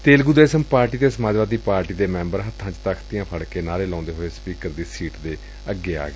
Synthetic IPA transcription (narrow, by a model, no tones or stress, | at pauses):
t̪eːlɡud̪eːsəmpaːɾʈiːd̪eːsəmaːd͡ʒʋaːd̪iːpaːɾʈiːd̪eːmɛ̃ːmbəɾɦət̪ʰːãːt͡ʃt̪əkʰt̪ɪjãːpʰəɽkeːnaːɾeːlãːnd̪eːɦoːeːspiːkəɾd̪iːsiːʈd̪eː | əɡːeːa̰ːɡeː